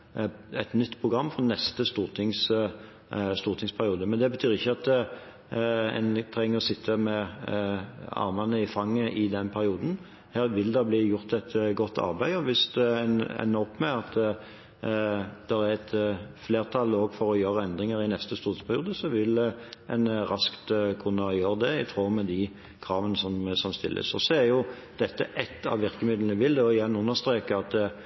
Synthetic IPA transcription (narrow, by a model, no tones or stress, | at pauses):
ɛt̪nʏt̪ːpʰʁʊɡɾɑmːfɔɾnɛst̪əst̪uːʁt̪ʰɪŋs | st̪uːʁt̪ʰɪŋspʰæɾɪuːd̪əmɛnd̪ɛbət̪ʰyːɾɪçːəɑt̪ | ɛ̰nt̪ʰɾɛŋːəʁɔsɪt̪ʰːəmɛ | ɑ̰ɾmɑnəɪfɑŋːəʔɪd̪ɛnpʰæɾɪuːd̪n̩ | heːɾʋɪld̪ɑbliːjʊɾt̪ɛt̪ɡɔt̪ːɑ̰ɾbæɪɔʋɪsd̪ɛnɛ̰nːəɔpːmɛɑt̪ | d̪̥ɛɾæɾɛt̪fleːʁt̪ʰɑloːɡfɔɾɔjøːɾəɛnd̪ɾɪŋəɾɪnɛst̪əst̪uːt̪spʰæɾɪuːd̪əsɔʋɪlɛnɾɑskt̪kʰʉnːəjøːɾd̪ɛɪt̪ʰʁoːmɛd̪ɪ | kʰɾɑːʋənəsɔmsɔmst̪ɪ̰lːʔə̰sɔsɔæɾjʊ | d̪̥ɛt̪ːəʔɛt̪ːɑ̰ʋʋɪʁkəmɪd̪lnd̪ʉʋɪld̪ɛɔɪjɛnːʉnːəʁst̪ɾeːkəɑt̪